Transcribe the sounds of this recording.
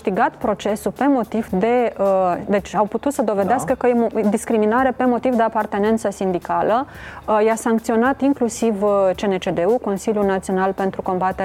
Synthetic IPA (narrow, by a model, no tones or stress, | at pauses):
ɨʃt̪iɡat̪pɾo̞t͡ʃe̞supe̞mo̞t̪ivd̪e̞əd̪e̞t͡ʃʲawput̪ut̪səd̪o̞ve̞d̪easkəkəjed̪iskɾiminaɾe̞pe̞mo̞t̪ivd̪e̞apart̪e̞ne̞nt̪səsind̪ikalə | jasaŋkt̪sio̞nat̪iŋklusivt͡ʃe̞net͡ʃe̞d̪e̞uko̞nsiljunat̪sio̞nalpe̞nt̪ɾuko̞mbat̪e